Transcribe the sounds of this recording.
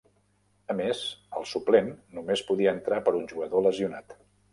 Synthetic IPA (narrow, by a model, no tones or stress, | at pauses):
əmezəlˠsuplenːumespuðiəːnt̪ɾapəɾunʲʒuɣəðoləziunat̪